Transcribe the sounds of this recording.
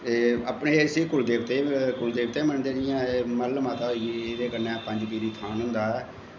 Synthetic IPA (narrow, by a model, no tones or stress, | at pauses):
eəpɳeːsiːkʊld̪eːʋt̪eːkʊld̪eːʋt̪eːmənd̪eːd͡ʒɪjãːməlmaːt̪aːed̪eːkəɾnɛːpəɲd͡ʒpiːɾiːt̪ʰaːnɦʊ̃nd̪aːɛː